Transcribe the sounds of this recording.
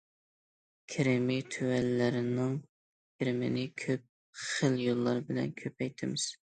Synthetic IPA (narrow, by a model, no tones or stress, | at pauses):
kʲʰɪɾɪmɪt̪ʰywɛlːɪɾɪnɪŋ | kʲʰɪɾɪmɪnɪkʲʰøp̚ | χəljolˠːɑɾbɪlɛ̰nkʲʰøpɛjt̪ʰɪmɪz̥